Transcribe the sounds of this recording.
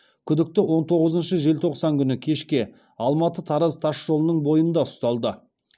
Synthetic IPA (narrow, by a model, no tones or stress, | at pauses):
kʲʰʏd̪ɪk̚t̪ɪwo̞nt̪ʰo̞ʁəzənʃəʒe̞lt̪ʰo̞qsɑŋkʲʰʏnɪkʲʰe̞ʃkʲe̞ | ɑlˠmɑt̪ət̪ʰɑɾəzt̪ʰɑʃːo̞lˠənəɴbo̞jənd̪ɑʊst̪ɑlˠd̪ə